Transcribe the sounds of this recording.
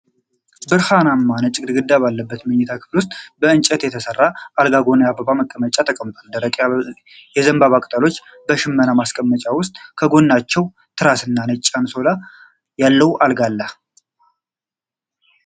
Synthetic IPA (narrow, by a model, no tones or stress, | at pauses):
bɨɾhanamːanət͡ʃʼːɪɡʼɨd̪ɨɡɨd̪ːaβalːəbːət̪mɨɲːɛt̪ʰakʰɨ̥flwʊst̪ʼbəɨnt͡ʃʼɛt̪jɛt̪ʰəsərːaʔalɡaɡo̞nəjabəβaməkʼːəmət͡ʃʼat̪ʰəkʼəmt̪ʼald̪əɾəkʼa | jɛzəmbaβakʼt̪ʼəlo̞t͡ʃː | bəʃɪmːənamaskʼəmːət͡ʃʼawʊst̪ʼkʰəɡo̞nːat͡ʃːɛw | t̪ʰɨɾasɨnːanət͡ʃʼːanso̞la | jalːəwʔalɡalːə